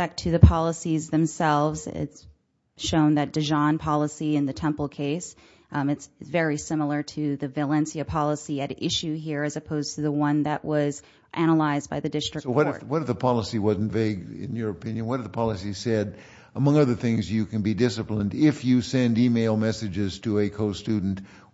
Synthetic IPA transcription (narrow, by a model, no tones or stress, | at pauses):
æk̚tʰɨðɨpʰɑlˠəsizðɨ̃msɛlˠvzɪ̰ts | ʃõʊ̃nðɨt̚d̥ɨʒɑ̃npʰɑlˠəsiɨ̃nðɨtʰɛ̃mpl̩ˠkʰeɪs | ɨtsvɛɹisɪ̃ml̩ˠə˞ɾɨðɨvɨlɛ̃nsiɨpʰɑlˠəsiɨɾɪʃʉɦiɹɨzɨpʰoʊz̥tʰɨðəwʌ̃nðɨʔwʔʌz | ʔæñəlaɪzbaɪðɨdɪstɹ̥ɨsowʌɾwʌɾʌvðəpʰɑlˠəsiwʌzn̩tveɪɡɪ̰̃njə˞ɨpʰɪ̃njɨ̃nwʌt̚ɨvðəpʰɑlˠəsisɛɾ | əmʌ̃ŋʌðə˞θɪ̃ŋzjɨkɨ̃nbidɪsɨplə̃ndɪfjɨsɛ̃ndimeɪlˠmɛsɨd͡ʒɪz̥tʰəɨkʰoʊstʉdⁿn̩t